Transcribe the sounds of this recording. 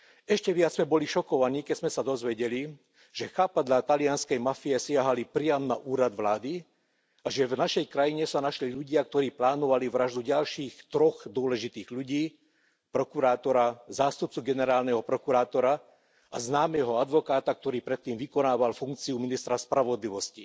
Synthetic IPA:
ɛʃcɛʋɪad͡zmɛbɔliʃɔkɔʋaniːkɛzmɛsad̪ɔzʋɛɟɛli | ʒ̥ɛxaːpad̪ʎat̪alɪanskɛjmafiɛsɪaɦalipɾɪamnaʔuːɾad̪ʋlaːd̪i | aʒɛvnaʃɛjkɾajiɲɛsanaʃliʎuɟɪak̚t̪ɔɾiːplaːnɔʋaliʋɾaʒd̪uɟalʃiːxt̪ɾɔɣd̪ʊɔlɛʒit̪iːɣʎuɟiː | pɾɔkuɾaːt̪ɔɾazaːst̪up̚t͡suɡɛnɛɾaːlnɛɦɔpɾɔkuɾaːt̪ɔɾa | aznaːmɛɦɔad̪ʋɔkaːt̪ak̚t̪ɔɾiːpɾɛt̪ːiːmʋikɔnaːʋalfuŋk̚t͡siuminist̪ɾaspɾaʋɔd̪liʋɔsci

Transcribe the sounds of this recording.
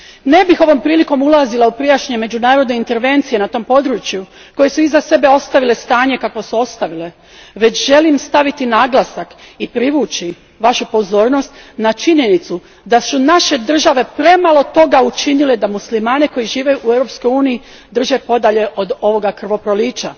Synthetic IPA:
ne̞bixo̞ʋo̞mpɾiːliko̞mulˠazilˠaupɾijaʃeɲeme̞d͡ʒunaːɾo̞d̪ne̞int̪e̞ɾʋe̞nt̪sije̞nat̪o̞mpo̞d̪ɾut͡ʃju | ko̞je̞suizase̞be̞o̞st̪aʋile̞st̪aːɲe̞kakʋosuo̞st̪aʋile̞ | ʋe̞t͡ɕʒe̞limst̪aʋit̪inaːɡlasakipɾiʋuːt͡ʃi | ʋaʃupo̞zo̞ːɾno̞st̪nat͡ʃiɲe̞nit̪su | d̪asunaʃe̞d̪r̩ʒaʋe̞pɾe̞malˠo̞t̪o̞ɡaut͡ʃinile̞d̪amuslimaːneko̞jiʒiːʋe̞juʔuevɾopsko̞juːnii | d̪r̩ʒe̞po̞d̪aʎe̞ʔo̞d̪o̞ʋo̞ɡakr̩ʋo̞pɾo̞liːt͡ʃa

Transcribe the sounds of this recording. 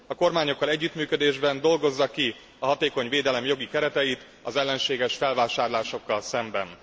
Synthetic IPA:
ɒko̞rmaːɲo̞kːɒlɛɟːyt̪myːkø̞d̪eːʒbɛnd̪o̞lɡo̞zːɒki | ɒɦɒt̪eːko̞ɲveːd̪ɛlɛmjo̞ɡikɛɾɛt̪ɛjit̪ | ɒzɛlːɛnʃeːɡɛʃfɛlvaːʃaːrlaːʃo̞kːɒlsɛmbɛn

